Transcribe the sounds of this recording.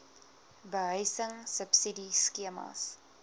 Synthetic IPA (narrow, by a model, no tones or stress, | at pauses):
bəɦœjsəŋsəpsidiskiəmɐ̰s